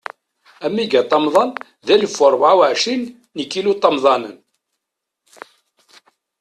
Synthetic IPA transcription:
æmːiɡæt̪ˤːɑmðˤɑn | ðæləfʊɾˤvʕawəʕʃinː | əkːilut̪ˤːɑmðˤɑnə̰n

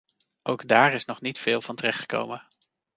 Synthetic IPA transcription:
ʔowɡdaːɹɪsnɔχnitfɪːlˠvɑntərɛχtχə̥ko̰wmə

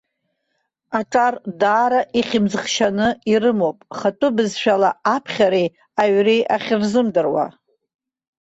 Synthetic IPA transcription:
aʈ͡ʂʼardaːɾaʔiχʲɪmzɨχʃanɨiɾɨmowpʼχatʼʊbɨzʃᶣalaapʰχʲaɾej | aɥrejʔaχʲɪrzɨmdɨrwa̰

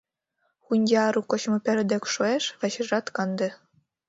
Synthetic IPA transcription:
xunʲd̪ʲeɑɾukŏɕmɤ̆pʲĕɾd̪ĕkʃoeʃvɑɕɘ̆ʐɑt̪kɑnd̪ĕ

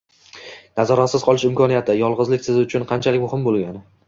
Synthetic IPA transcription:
nazɒɾat̪sɪzqʰɒlˠɪʃɪmkɒnijat̪ʰɪjɒlˠʁɨzlɪkʲsɪzʊt͡ʃʰʊnqʰɑnt͡ʃʰalɪkʲmʊhɪmbolˠɡʲanɪ

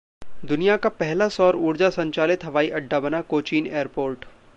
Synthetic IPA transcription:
d̪ʊnijakapɛɦlasɔːɾuːɽd͡ʒasɐ̃ɲt͡ʃaːlɪt̪ɦɐʋaːiʔɐɖːabɐnakoːt͡ʃiːneːəɾpoːɾʈ

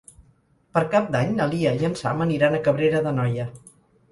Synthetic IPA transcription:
pəɾkap̚d̪aɲnəlˠiəʒənsa̰məniɾanəkəβɾeɾəðənɔjə

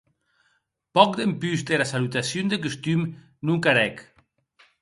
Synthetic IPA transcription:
pɔk̚d̪empyzd̪eɾasalut̪asjund̪ekust̪ym | nuŋkaɾɛk

